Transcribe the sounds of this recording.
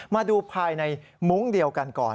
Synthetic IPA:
maː˧duː˧pʰaː˧jna˧jmu˦˥ŋdi˧əwka˧nkɔ̰ː˨˩n

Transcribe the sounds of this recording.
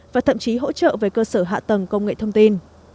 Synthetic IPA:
vaː˨˩t̪ʰə̰˧˨mt͡ɕi˨˦ɦo̰˧˥t͡ɕə̰ː˧˨veː˨˦jkəː˧səː˧˩ɦa̰ː˧˨t̪ə˨˩ŋkə˧wŋ͡mŋḛ˧˨t̪ʰə˧wŋ͡mt̪i˧n

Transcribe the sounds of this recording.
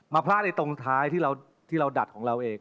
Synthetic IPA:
maː˧pʰlaː˥˩t̪̚na˧jt̪o˧ŋt̪ʰaː˦˥jt̪ʰiː˥˩ɾa˧w | t̪ʰiː˥˩ɾa˧wda̰˨˩t̪̚kʰɔː˩˦ŋɾa˧wʔeː˧ŋ

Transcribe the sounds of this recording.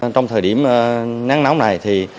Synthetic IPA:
t͡ɕɔ˧wŋ͡mt̪ʰəː˨˩jɗi˧˩əm˨naː˨˦˥ŋna˨˦wna˨˩jt̪ʰi˨˩

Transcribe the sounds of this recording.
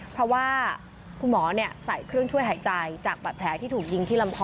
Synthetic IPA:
pʰɾɔ˦˥waː˥˩ | kʰu˧nmɔː˩˦ni˥˩əsa˨˩˦jkʰɾɯ˥˩əŋt͡ɕʰu˥˩əjɦaː˩˦jt͡ɕa˧jt͡ɕaː˨˩k̚pa˨˩pʰɛː˩˦t̪ʰiː˥˩t̪ʰuː˨˩k̚ji˧ŋt̪ʰiː˥˩la˧mkʰɔː˧

